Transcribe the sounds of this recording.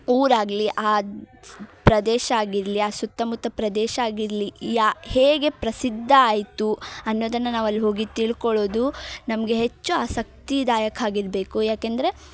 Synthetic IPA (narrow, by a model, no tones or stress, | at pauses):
uːɾaːɡliʔaː | pɾɐd̪ɛːʃɐaːɡiɾliaːsut̪ːɐmut̪ːɐpɾɐd̪ɛːʃɐaːɡiɾlijaːheːɡe̞pɾɐsid̪ʱːɐaːjt̪uɐnːoːd̪ɐnːɐnaːʋɐlːiɦo̞ːɡit̪iɭkɔɭo̞ːd̪unɐmɐɡe̞ɦet͡ʃːuaːsɐk̚t̪id̪aːjɐkʰaːɡiɾbeːkujaːkend̪ɐɾe̞